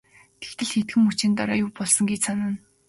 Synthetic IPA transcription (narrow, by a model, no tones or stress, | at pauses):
t̪ʰekt̪ɘ̆ɮxet̪̚ɡɘ̆mut͡ɕɪ̆nt̪ɔɾɔːjʊwpɔɮsɞ̆ŋɡet͡ɕsanaːn